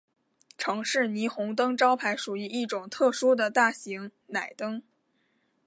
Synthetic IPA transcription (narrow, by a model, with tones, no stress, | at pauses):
ʈ͡ʂʰɤ˧˥ŋʂɻ̩˥˩ni˧˥xʊ˧˥ŋt̪̬ɤ˥ŋʈ͡ʂɑ˥ʊpʰa˧˥ɪʂu˨˩i˧˥i˥˩ʈ͡ʂʊ˨˩ŋt̪ʰɤ˥˩ʂu˥d̪ə˨t̪a˥˩ɕi˧˥ŋna˨˩ɪt̪ɤ˥ŋ